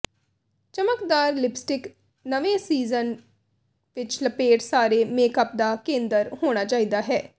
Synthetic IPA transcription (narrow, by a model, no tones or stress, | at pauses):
t͡ʃəməkd̪aːɾlɪpsʈɪk | nəʋẽsiːzən | ʋɪt͡ʃləpeːʈsaːɾeːmeːkəp̚d̪aːkẽːnd̪əɾɦoːɽ̃aːt͡ʃaːiːd̪aːɦɛː